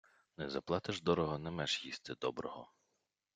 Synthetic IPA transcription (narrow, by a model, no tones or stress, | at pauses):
nɛzɐplˠɑt̪ɪʒd̪ɔɾɔɦɔnɛmɛʒjist̪ɪd̪ɔbɾɔɦɔ